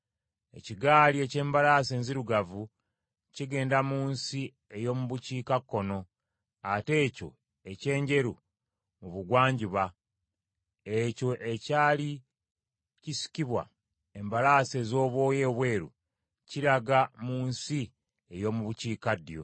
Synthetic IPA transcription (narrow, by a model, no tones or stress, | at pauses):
e̞̰ciɡaːlie̞ce̞ːmbalase̞ːnziɾuɡavu | ciɡe̞ːndamuːnsi | e̞jo̞ːmuβuciːkakːo̞no̞ | ate̞ːco̞̰ | e̞ce̞ːɲɟe̞ɾu | muβuɡwaːɲɟiβa | eco̞ʔe̞caːli | cisi̥kiβwa̰ | embalaːse̞zo̞ːβwo̞ːje̞βwe̞ːɾṵ | ciɾaɡamuːnsi | e̞jo̞ːmuβuciːkadjo̞̰